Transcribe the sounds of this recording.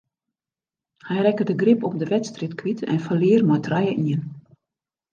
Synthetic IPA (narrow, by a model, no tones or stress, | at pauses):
hɛjrɛkədəɡrɪpɔp̚dəʋɛtstritkʋitʰɛ̰nfəliərmɔjtʰrajəʔiən